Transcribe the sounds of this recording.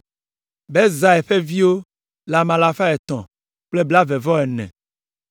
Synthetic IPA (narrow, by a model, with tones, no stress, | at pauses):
be˦za˨ɛ˨ɸe˦vi˦wo˦ | la˨mã˨la˨fa˦ɛ˨t̪ɔ̰̃˨ | k͡ple˦bla˦ve˨vɔ˦ɛ˨nɛ̰̃˨